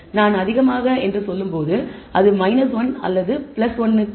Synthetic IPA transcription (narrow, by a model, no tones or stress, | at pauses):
naːnɐðɪɣɐmaːɣɐɛndrɯsɔlːɯmpoːðɯɐðɯmɐɪnɐsʋɐnɐ̰lːɐðɯpɪlɐsʋɐnːɯ